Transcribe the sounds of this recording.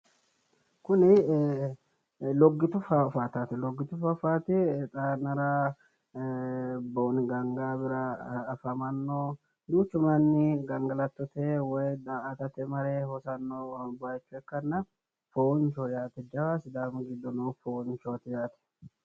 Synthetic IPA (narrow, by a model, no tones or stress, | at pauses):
kʊnɪ | lɔɡːɪt̪ʊfɐfaːt̪at̪ɪlɔɡːɪt̪ʊfɐfaːt̪ɪt̪ʼaːnɐɾa | boːnɡɐŋɡaːbɪɾɐːfɐmɐnːo | d̪uːt͡ʃːʊmɐnːɪɡɐŋɡɐlɐt̪ːɔt̪ewɔjd̪aːʔɐt̪ɐt̪ɛmɐɾeːhɔsɐnːoːbajt͡ʃːʊɛkːɐnːɐ | foːnt͡ʃoːjaːt̪ɛd͡ʒɐwaːsɪd̪aːmɡɪd̪ːɔnoːfoːnt͡ʃoːt̪ɪjaːt̪ɛ̥